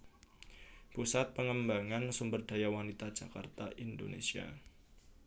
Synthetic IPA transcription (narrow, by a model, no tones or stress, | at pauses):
pusat̪̚pəŋəmbaŋansumbərd̥a̤jawanit̪ad̥d͡ʒ̥a̤kart̪aʔindo̰nḛsia̰